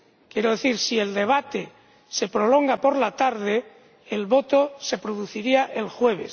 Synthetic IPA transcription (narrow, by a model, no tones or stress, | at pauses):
kje̞ɾoðe̞θiɾsie̞ld̪e̞β̞at̪e̞ | se̞pɾo̞lo̞ŋɡapo̞ɾlat̪aɾðe̞ː | lβo̞t̪o̞se̞pɾoðuθiɾiaʔe̞lxwe̞β̞e̞s